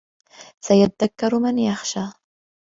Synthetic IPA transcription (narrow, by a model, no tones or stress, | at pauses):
sajat̪ad̪akːɑɾmɪnjaxʃaː